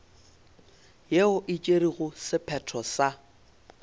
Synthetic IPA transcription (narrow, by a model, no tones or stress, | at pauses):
jeʊʔɪt͡ʃʼeɾiɣʊsɪpʰɛtʰɔsa